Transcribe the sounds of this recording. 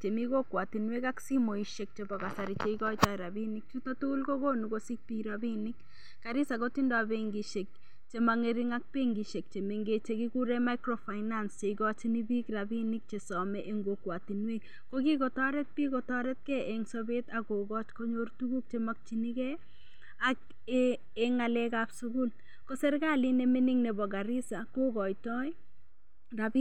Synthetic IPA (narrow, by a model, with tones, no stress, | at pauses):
t͡ʃe˨mi˦ko˦kwa˨ti˨nwe˦kaksi˦mo˨iʃe˨k̚t͡ʃebɔ˨ka˨sa˨ɾit͡ʃe˨ikɔ˦jt͡ʃaɾa˨bi˦nik̚t͡ʃu˦tɔtu˦lko˦ɡo˦nukosi˦k̚pi˦ɾabi˦ni˦k | kaɾi˦sa˨ko˦ti˦ndɔ˨abeŋɡi˨ʃe˨k̚ | t͡ʃe˦maŋeɾi˦ŋa˦k̚pe˦ŋɡi˨ʃe˨k̚t͡ʃe˨me˨ŋɡe˦t͡ʃe˦ki˦ku˦ɾɛma˦ɪkɾo˨fa˨ɪnanst͡ʃe˨iɡɔt͡ʃi˦ni˦bi˦kɾabi˦ni˦k̚t͡ʃe˨sɔmɛʔe˦ŋɡokwatinwe˦k | kokikɔ˨tɔ˦ɾɛ˦t̚pi˦kɔ˨tɔɾɛt̚kɛ˦eŋsɔbetako˨ɡɔ˦t͡ʃko˦ɲortuɡu˦k̚t͡ʃemak̚t͡ʃini˦kɛ | ak | eŋa˨lɛkapsuɡu˦l | kɔsɛ˦ɾɡa˦li˦nemi˦ni˦ŋnebɔ˨ɡa˨ɾi˦sa˨koɡɔ˨jtɔj | rabi